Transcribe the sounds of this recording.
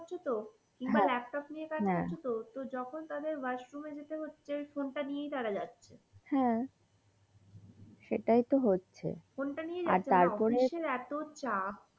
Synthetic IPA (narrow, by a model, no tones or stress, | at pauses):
oɾt͡ɕʰet̪o | kiŋbalɛp̚ʈɔpnijekaɛot͡ɕʰet̪ot̪od͡ʑɔkʰont̪ad̪eɾbəɾsɾumed͡ʑet̪eɦotːɕʰefonʈanijejt̪aɾad͡ʑatːɕʰe | hɛ̃ | ʃeʈajt̪oɦotːɕʰḛfonʈanijed͡ʑaa̰ɾtʰt͡ɕʰeaɾpɔɾeʃeɾɛt̪ot͡ɕak